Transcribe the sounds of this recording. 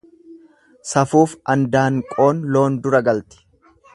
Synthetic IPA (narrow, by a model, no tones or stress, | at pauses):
sɐfuːfɐnd̪aːŋkʼo̞ːnlo̞ːnd̪ʊɾɐɡɐlt̪ɪ̥